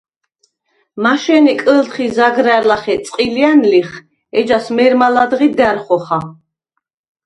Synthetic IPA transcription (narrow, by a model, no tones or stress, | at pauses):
maʃɛnikʼəlt̪χizaɡɾaɾlaχɛt̪sʼqʼilianliχ | ɛd͡ʒasmɛɾmalad̪ʁid̪ɛɾχɔχa